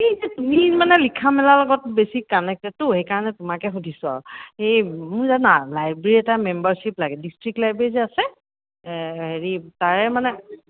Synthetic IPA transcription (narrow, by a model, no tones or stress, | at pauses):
kizɛtumimanɛlikʰamɛlalɔɡɔtbesikanɛk̚tɛtʊhejkaɹɔnɛtʊmakɛxudʱisʊa̰ɹɔejmʊjzanalajbeɹiɛtamɛmbaɹsiplaɡɛdistɹik̚lajbeɹiziasɛ | heɹitaɹɛmanɛ